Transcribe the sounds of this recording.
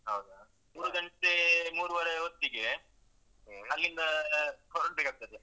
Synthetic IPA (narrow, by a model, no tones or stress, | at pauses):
ɦɐwd̪u | muːɾuɡɐɳʈ̪emuːɾuʋɐɾeot̪ːiɡe | ɐlːind̪ɐkʰɐɾɐɳʈbekak̚t̪ɐd̪e